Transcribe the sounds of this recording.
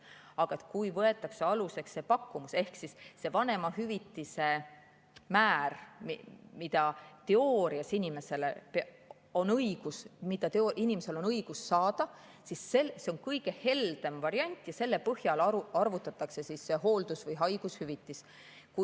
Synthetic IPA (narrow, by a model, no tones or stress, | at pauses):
ɑɡ̥ɑet̪̚kujvɤe̞t̪ːˑɑkseɑluse̞ksːe̞pɑkːumuse̞hksisːe̞vɑne̞mɑhyvit̪ːˑise̞ | mæːrmmid̪ɑt̪e̞oːɾiɑsinʲime̞se̞lep | o̞nɤjɡ̥usmid̪̥ɑt̪eoʔinimese̞lo̞nɤiɡ̥usːɑːd̪̥ɑ | sisːelse̞onkɤjɡ̥e̞he̞ld̪̥e̞mvɑɾiɑnʲt̪ːˑjɑse̞lːe̞pɤhjɑlɑrvut̪ːˑɑt̪ːˑɑkse̞sise̞ɦo̞ːld̪̥usvɤjɦɑjɡ̥ushyvit̪ːˑis | ku